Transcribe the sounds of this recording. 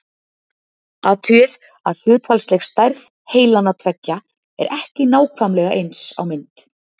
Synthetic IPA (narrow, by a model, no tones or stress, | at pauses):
at̪ʰʏɪð | aðl̥jʏːt̪falslɛxst̪ajɾv̥ | heːjlanːat̪ʰvɛcːa | ɛ̰ɾʔɛhcɪnaːwkʰvamlɛɣaʔejnsa̰wmɪnt̪